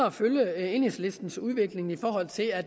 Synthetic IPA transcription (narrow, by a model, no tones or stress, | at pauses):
ɐɒføljəenisle̝sd̥n̩suð̞ˠʋe̝ɡ̥le̝ŋifɒ̰ːɦɒ̽l̰t͡sʰe̝læd̥